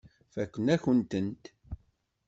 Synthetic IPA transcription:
fækʷːənæçənt̪ənt̪

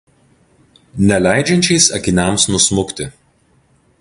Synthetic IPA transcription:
nʲɛlʲæˑɪd͡ʒʲɛnʲt͡ʃʲɛɪsɐkʲɪnʲɛmsnʊsmʊkʲt̪ʲɪ

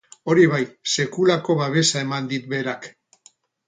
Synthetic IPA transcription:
o̞ɾiβ̞ajse̞kulako̞βaβ̞e̞sae̞mand̪it̪̚be̞ɾak

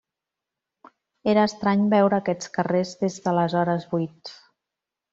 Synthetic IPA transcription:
eɾəːst̪ɾaɲbɛwɾəːkɛt͡skərezðezðələzɔɾəzβujt̪

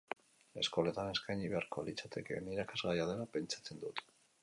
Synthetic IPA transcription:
e̞sko̞let̪ane̞skajɲiβe̞aɾko̞lit͡sat̪e̞ke̞niɾakazɣajaðe̞nape̞nt͡ʃḁt͡se̞nd̪ut̪

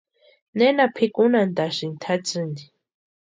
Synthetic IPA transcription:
nenapʰikunand̪asint̪ʰat͡sɨnd̪i

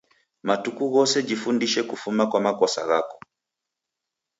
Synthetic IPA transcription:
matukuɣɔsɛd͡ʒifundiʃɛkufumakwamakɔsa̰ɣakɔ̥

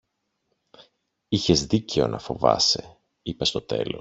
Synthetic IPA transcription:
içe̞zðice̞o̞̰nʔɐfo̞vɐ̰se̞̰ | ipe̞st̪ot̪e̞̰lo̞̰s

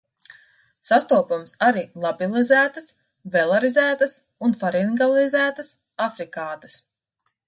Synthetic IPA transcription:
sast̪uɔpumsaɾiːlˠabilˠizæːt̪əs | vɛlˠaɾizæːt̪əs | unfaɾinɡalˠizæːt̪əs | afɾikaːt̪əs

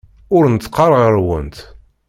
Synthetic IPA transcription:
ʊɾnət̪ːqːɑɾˤʁəɾwənt̪

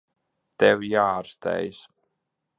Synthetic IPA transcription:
t̪ɛvjaːaɾst̪ɛ̰js

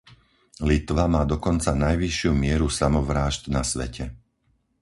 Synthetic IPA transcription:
lit̪ʋamaːd̪ɔkɔnt͡sanajʋiʃɪumɪɛɾusamɔʋɾaːʒt̪nasʋɛ̰cɛ

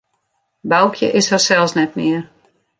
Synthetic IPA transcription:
bawkʰjə̰ʔɪshɔsɛlˠsnɛtmɪər

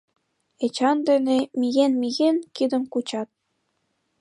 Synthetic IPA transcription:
et͡ɕɑnd̪enemijenmijenkid̪ə̆mkut͡ɕɑt̪̚

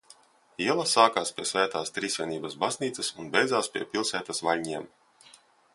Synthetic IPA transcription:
iɛlˠasaːkaːspʲiɛsvæːt̪aːst̪ɾiːsʲɛniːbɐsbazniːt̪sɐsunbʲɛjd̪zaːspʲiɛpʲilˠsæːt̪asvalʲɲiɛm

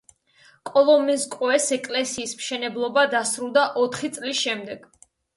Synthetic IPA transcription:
kʼɔlˠɔmɛskʼwɛsɛkʼlɛsiːsmʃɛnɛblˠɔbad̪asɾulˠd̪aʔɔt̪ʰχit̪sʼlisʃɛmd̪ɛɡ̥

